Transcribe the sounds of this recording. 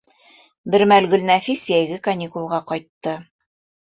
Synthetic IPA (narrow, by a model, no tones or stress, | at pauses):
bɘɾmælɡɵ̆lnæfisjæjɡɘkɐnʲikulˠʁɑqɑjt̪ːɤ